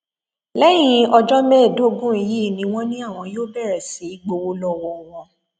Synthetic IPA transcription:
lɛ˦j̃ĩ˧ɔ˧d͡ʒɔ˦mɛ̃ː˦˨do˨˦ɡũ˦i˧ji˦˨nĩ˧w̃ɔ̃˦nĩ˦a˦˨w̃ɔ̃˧joː˦bɛ˦˨ɾɛ˨si˨˦i˦ɡ͡bo˧wo˦lɔ˦˨wɔ˧˨˦wɔ̃˧

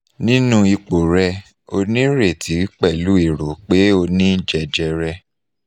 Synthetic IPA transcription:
nĩ˦nũ˦i˧k͡po˨ɾɛ˧ | o˧nĩ˦ɾe˦˨tʰi˨˦k͡pɛ˦˨lu˨˦i˦˨ɾo˨k͡pe˦o˧nĩ˦d͡ʒɛ˨d͡ʒɛ˧ɾɛ˧

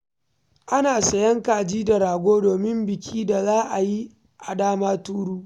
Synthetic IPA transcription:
ʔa˦naː˨sɐ˨jɐ˦ŋkaː˨d͡ʒiː˦da˨ɾaː˨ɡʷoː˦doː˨mɪ˦mbɪ˨kʲʰiː˦da˨zaː˦ʔa˨ji˦ | ʔa̰˨daː˦maː˦tuː˦ɽuː˦

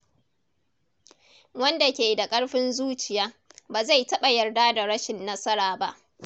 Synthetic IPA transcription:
wɐ˦nda˨kʲeː˨da˨kʼɐ˦ɽɸɪ˦nzuː˦t͡ʃɪ˨jaː˦baː˨za˦˨jtɐ˦ɓa˨jɐ˨rdaː˦da˨ɽɐ˦ʃɪ˨nːɐ˦sɐ˦ɾaː˨ba˦ʔ

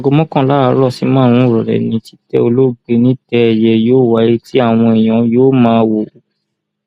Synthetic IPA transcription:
a˨ɡo˧mɔ̃˦kɔ̃˦˨la˦a˧˦ɾɔ˦˨si˨˦mãː˦˧ũ˧˦˨ɾɔ˨ɾɛ̰˨nĩ˨˦ti˦tɛ̰˧o˧lo˦˨ɡe˨˧˦nĩ˦tɛ˧ɛ˨jɛ˧joː˦˨wa˨˦i˦ti˦a˦˨w̃ɔ̃˧e˨j̃ɔ̃˨joː˦mãː˦˧wo˨

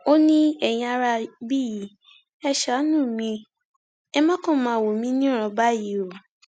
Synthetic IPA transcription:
o˦nĩ˦ɛ˨j̃ĩ˧a˧ɾa˧bi˦˨ji˨˦ | ɛ˧ʃa˨˦nũ˦˨mĩ˧ | ɛ˦mã˦kɔ̃˦˨mãː˨˦˨wo˨mĩ˨˦nĩ˦ɾ̃ɔ̃˧ba˦ji˨˦o˨

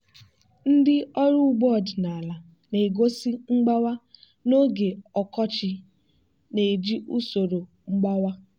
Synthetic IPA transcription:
n̩˦dɪ˦ɔ˦ɾu˦ɡ͡bɔ˦˨dna˨a˨la˨ | ne˨e˨ɡo˦si˦ŋ͡m̩˦ɡ͡ba˦wa˦ | no˦ɡe˨ɔ˨kɔ˦t͡ʃɪ˨ | ne˨e˨d͡ʒi˦ʔu˦so˨ɾo˨ | ŋ͡m̩˦ɡ͡ba˦wa˦

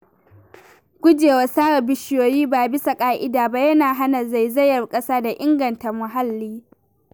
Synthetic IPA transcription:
ɡʷʊ˦d͡ʒeː˨wa˨saː˦ɾɐ˨bɪ˦ʃjoː˨jiː˦baː˨bɪ˦sa˨kʼaː˦ʔɪ˦daː˨ba˦jɐ˦naː˨ɦa˦na˨za˦˨jzɐ˦jːɐ˨rkʼɐ˦saː˦da˨ʔɪ˦ŋɡɐ˨nta˨mʊ˨ɦa˦lːiː˦

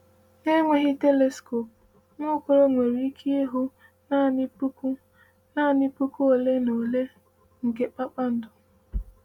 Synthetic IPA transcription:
ne˦ŋʷe˦ɣɪ˦te˦le˨sko˨p̚ | nʊ˦kʊ˨ɾo˦nʷe˨ɾi˦kʰi˦e˦ɦo˦ | na˦˨nɪ˦pu˦ku˦ | na˦˨nɪ˦pu˦ku˦o˨le˦no˨le˦ | ŋ̩˨ɡe˨k͡pa˦k͡pa˦n̩˦dʊ˦

